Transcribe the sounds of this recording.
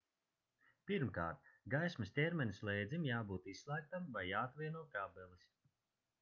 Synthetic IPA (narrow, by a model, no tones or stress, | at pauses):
piɾmka̰ːɾt̪̚ɡajsmɨsʲt̪ʲɛɾmʲɛnʲslˠɛjd̪zʲimjaːbuːt̪isslˠæːk̚t̪amvajːaːt̪vʲiɛnuɔk̪abɛlˠis